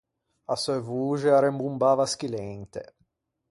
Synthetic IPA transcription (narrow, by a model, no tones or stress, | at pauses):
asɔevuːt͡ʃeaɾembumbaːvask̟ilɛnt̪ḛ